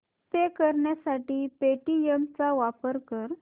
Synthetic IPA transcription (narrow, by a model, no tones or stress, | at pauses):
t̪ekəɾɳjasaʈiːpeʈiemt͡saʋapəɾkəɾ